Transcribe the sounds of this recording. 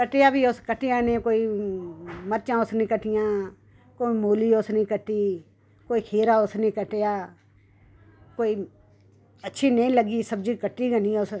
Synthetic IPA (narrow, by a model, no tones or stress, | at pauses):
kəʈejaːbiːoskəʈɪjãːnẽːkoːiː | məɾt͡ʃãːʊsnĩːkəʈɪjãː | koːimoːliːosnẽːkəʈːiː | koːiːkʰeːɾaːʊsnẽːkəʈejaː | koːiː | ətːʃʰiːneĩːləɡiːsəbd͡ʒiːkəʈːiːɡənĩːʊs